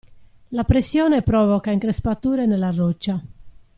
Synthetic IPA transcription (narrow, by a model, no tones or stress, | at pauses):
lapɾesːjɔːnepɾɔvɔkaiŋkɾespat̪uːɾenelːarːɔt͡ʃːa